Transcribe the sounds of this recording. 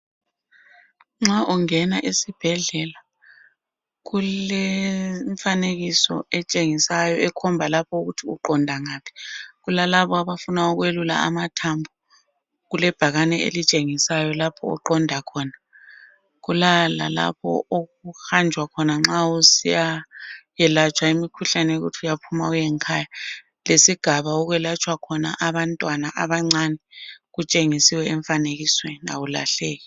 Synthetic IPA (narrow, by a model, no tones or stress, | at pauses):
ŋ͡ǁaʔuŋɛnaʔisib̥ʱɛɮɛla | ɣulɛɱfaneɣisɔ̰ɛt͡ʃʼeŋisajɔɛkʰɔmbʱalapʰɔuɣutʰiuǃɔndʱaŋaːpʰi̥ɣulalaβɔaβafunauɣwelula̰a̰matʰambʱu | ɣulɛb̥ʱaɣanɛḛlit͡ʃʼeŋisajɔlapʰɔ̰ːǃɔndʱakʰɔna | ɣulala̰la̰pʰɔ̰oɣuxand͡ʒʱwakʰɔnaŋ͡ǁausijajɛlat͡ʃʰʼwaimikʰuɬanɛeɣṵtʰiujapʰumaujɛŋkʰaːja | lesiɡ̥ʱaβaɔɣwɛlat͡ʃʼwakʰɔna̰ʔaβantʼwanaʔaβaŋ͡ǀanɛɣut͡ʃʼeŋisiwɛɛɱfaneɣiswɛna̰wula̰ɬɛːɣɛ